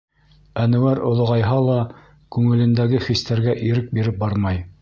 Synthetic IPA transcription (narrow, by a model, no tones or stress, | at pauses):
ænɘ̆wæɾŏlˠŏʁɑjɦɑlˠɑ | kʉŋɘ̆lɘ̆nd̪æɡɘχist̪æɾɡæʔiɾɘk̚biɾɘp̚bɑɾmɑj